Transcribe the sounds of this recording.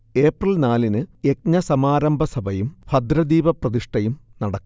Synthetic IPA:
e̞ːprɐlnaːlinɨe̞k̚ɲɐsɐmaːɾɐmbʱɐsɐbʱɐjumfɐd̪ɾɐd̪iːʋɐprɐðiʂʈɐjumnɐɽɐkː

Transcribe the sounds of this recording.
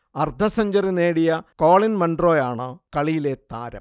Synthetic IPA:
ɐrd̪ʱɐsɐɲd͡ʑɐrine̞ːɽijɐko̞ːɭinmɐɳɖro̞ːjaːɳɨkɐɭijile̞t̪a̰ːɾɐ̰m

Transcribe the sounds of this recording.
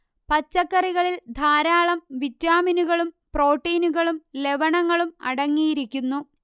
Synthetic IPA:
pɐt͡ɕːɐkːɐriɣɐɭild̪ʱaːɾaːɭɐmʋitɾaːminuɣɐɭum | pro̞ːʈːɐjnuɣɐɭumle̞ʋɐɳɐŋːɐɭumɐ̰ɽɐŋːijiɾikʲːunːu

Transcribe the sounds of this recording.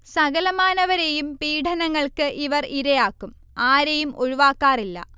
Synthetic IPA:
sɐɣɐlɐmaːnɐʋɐɾejumpiːʈʰɐnɐŋːɐɭkɨʔiʋɐriɾɐjaːkːum | aːɾejumʔoɻuʋaːkːaːrilːɐ̰

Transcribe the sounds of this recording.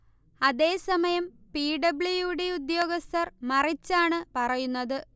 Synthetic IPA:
ɐðe̞ːsɐmɐjɐmpiːɖɐbɭijuɽe̞ud̪jo̞ːɡɐst̪ʰɐrmɐrit͡ɕːaːɳɨpɐrɐjunːɐðɨ

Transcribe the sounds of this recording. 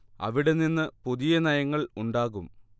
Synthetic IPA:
ɐ̰ʋiɽe̞ninːɨpoðijɐnɐjɐŋːɐɭuɳɖaːɣum

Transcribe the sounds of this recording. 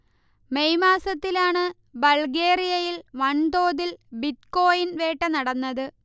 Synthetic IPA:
mejmaːsɐt̪ːilaːɳɨ | bɐlɡe̞ːrijɐjilʋɐɳd̪o̞ːðilbit̪ko̞ːjinʋe̞ːʈːɐnɐɽɐnːɐðɨ

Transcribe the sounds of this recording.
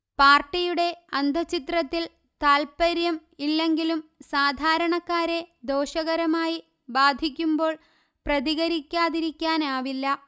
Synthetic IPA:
paːrʈːijuɽe̞ɐnd̪ʱɐt͡ɕit̪rɐt̪ːil | t̪aːlpɐɾjɐmilːe̞ŋɡilumsaːd̪ʱaːɾɐɳɐkːaːɾe̞d̪o̞ːɕɐɣɐɾɐmaːji | baːd̪ʱikʲːumbo̞ːɭ | prɐðiɣɐɾikʲːaːðiɾikʲːaːnaːʋilːɐ

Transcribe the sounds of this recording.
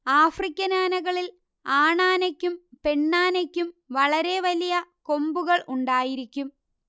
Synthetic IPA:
aːfrikʲːɐnaːnɐɣɐɭil | aːɳaːnɐkʲːumpe̞ɳːaːnɐkʲːumʋɐɭɐɾe̞ʋɐlijɐko̞mbuɣɐɭʔuɳɖaːjiɾikʲːum

